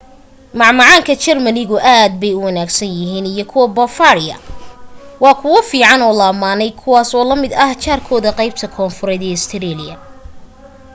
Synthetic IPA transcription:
mɑʕmɑʕɑːŋkʰɐt͡ʃɛrmɐnɪɣʊʔaːd̪̚bɛjʊwɐnaːɡsɐnjɪɦiːnijɔkʰʊwɐbɔfaːɾɪjɐ̰ | wɑːkʰʊwɐfiːʕɑnɔːlɐːmaːnɛjkʰʊwɑːsɔːlɐmɪd̪ɐht͡ʃʰaːrkʰɔːðɐqɑjb̚t̪ʰɐkʰɔːnfʊɾɛd̪ɛːɪst̪ʰɪɾiːlɪjɐ̰

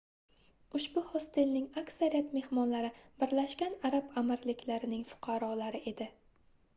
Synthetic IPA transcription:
ʊʃbʊhɒst̪ʰɪlnɪŋakʲsaɾijat̪me̞hmɒnlaɾɪbɪɾlaʃkʲanaɾabamɪɾlɪkʲlaɾɪnɪŋfʊ̥qʰɑɾɒlaɾɪʔe̞d̪ɪ

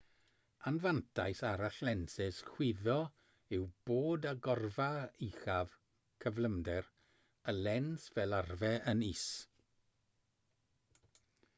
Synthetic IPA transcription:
anvantʰa̰jsaɾaɬlɛnsɪshw̥ɪðɔ | ɪwb̥oːdaɡɔrvaixav̥ | kʰəvlˠəmdɛr | əlɛnsvɛlˠarvɛəniːs

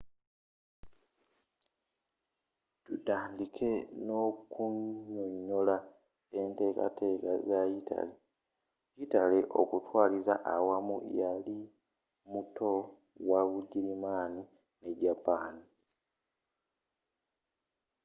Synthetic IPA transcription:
tudaːndikʰe̞no̞kuoɲːola | e̞nte̞ːka̰tʰe̞ːka̰zajitʰa̰le | jitale̞ʔo̰kutwaːlizaʔawamṵjali | muto̞ | waβuɟiɾimaːni | neɟapaːni

